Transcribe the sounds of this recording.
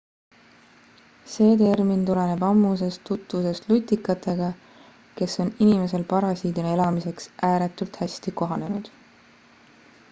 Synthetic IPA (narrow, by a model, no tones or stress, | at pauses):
se̞ːt̪e̞rmint̪ule̞ne̞b̥ɑmːuse̞st̪ːut̪ːˑvuse̞st̪lut̪ʲːikːˑɑt̪ˑe̞ɡ̥ɑ | ke̞so̞ninime̞se̞lpɑɾɑsiːd̪uneelɑmise̞ksʔæːɾet̪ˑult̪hæsʲt̪iko̞ɦɑne̞nud̪̥